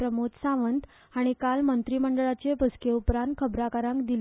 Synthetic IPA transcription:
ɾəmut̪sãʋənt̪ | aɽ̃ikalmənt̪ɾiːməɳɖəɭat͡ɕepəskeupɾãnt̪̚kʰəbɾakaɾãŋkd̪il

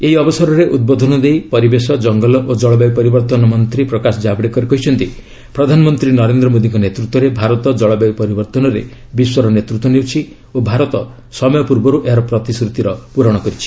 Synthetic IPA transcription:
eɦiɔbɔsɔɾɔɾeʔud̪̚bod̪ʱɔnɔd̪ejpɔɾibesɔd͡ʒɔŋɡɔlɔʔod͡ʒɔɭɔbabpɔɾibɔɾt̪ɔnɔmɔnt̪ɾipɾɔkasɔd͡ʒabɽekɔɾikɔɦit͡ʃʰɔnt̪i | pɾɔd̪ʱanɔmɔnt̪ɾinɔɾend̪ɾɔmod̪iŋkɔnet̪ɾut̪wɔɾebʱaɾɔt̪ɔd͡ʒɔɭɔbabpɔɾibɔɾt̪ɔnɔɾḛ | biswɔɾɔnet̪ɾut̪wɔnewt͡ʃʰi | obʱaɾɔt̪ɔ | sɔmɔjɔpuɾbɔɾuʔeɾɔpɾɔt̪iskɾut̪iɾɔpuɾɔɽ̃ɔkɔɾit͡ʃʰi̥

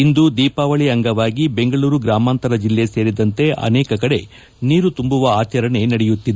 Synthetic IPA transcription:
ind̪ud̪iːpaːʋɐɭiɐŋɡɐʋaːɡibe̞ŋɡɐɭuːɾuɡɾaːmaːnt̪ɐɾɐd͡ʒilːe̞se̞ːɾid̪ɐnt̪e̞ʔɐ̰nɛːkɐkɐɽe̞ | niːɾut̪umbuʋɐaːt͡ʃɐɾɐɳe̞nɐɽejut̪ːid̪ee

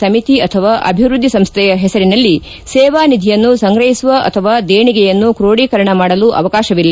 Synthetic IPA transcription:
sɐmit̪iɐt̪ʰɐʋaːʔɐ̰bʱiʋɾud̪ʱːisɐmst̪ʰɛjɐɦɛsɐɾinɐlːi | sɛːʋaːnid̪ʱijɐnːusɐŋɡɾɐɦisʋɐʔɐ̰t̪ʰɐʋaːd̪eːɳiɡɛjɐnːukɾoːɽiːkɐɾɐɳɐmaːɽɐluʔɐ̰ʋɐkaːʃɐʋilːɐ

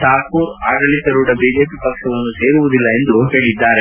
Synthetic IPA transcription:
t̪aːpuːɾaːɡɐɭisɐɾuːʈɐbʱiːd͡ʒe̞ːpipɐkʂɐʋɐnːuse̞ːɾuʋud̪ilːɐe̞nd̪uɦe̞ːɭid̪ːaːɾe

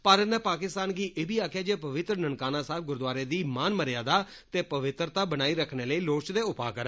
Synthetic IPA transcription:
pəɾnɛ̃ːpaːkɪst̪aːnɡiːʔeːbiːaːkʰjaːd͡ʒeːpəʋɪt̪ɾnənkaːnãːsaːb̚ɡʊɾd̪waːɾeːd̪iːmaːnməɾjaːd̪aː | t̪eːpəʋɪt̪ɾt̪aːbənaːiːɾəkʰneːləiːloːt͡ʃd̪eːʊpaːkəɾaː

